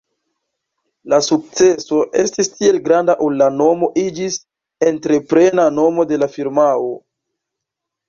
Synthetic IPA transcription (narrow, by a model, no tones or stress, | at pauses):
lasuk̚t͡se̞so̞ʔe̞stistie̞lɡɾandaʔulːano̞mo̞ʔid͡ʒis | e̞ntɾe̞pɾe̞nano̞mo̞de̞lafiɾmao